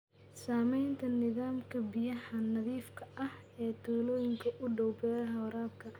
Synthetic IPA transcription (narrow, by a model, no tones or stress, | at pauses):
saːmɛjnt̪ʰɐnɪðaːmkʰɐbɪjɐhɐnɐðiːfkʰɐɐh | ɛːt̪ʰuːlɔːjɪŋkʰɐʔʊɖɔwbɛːɾɐɦɐwɐɾaːb̚kʰɐ